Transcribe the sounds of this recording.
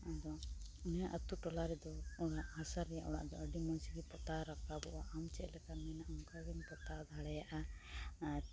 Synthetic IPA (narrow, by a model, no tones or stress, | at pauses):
ad̪ɔnaʔət̪uʈɔlaɾɛd̪ɔɔɽaʔhasaɾɛjaʔɔɽa̰ʔd̪ɔəɖimɔnsiɡɛpɔt̪aɾakabɔʔaʔamt͡ʃɛʔlɛkamɛnaʔɔmkɔɡɛnpɔt̪ad̪ʱaɽɛjaʔa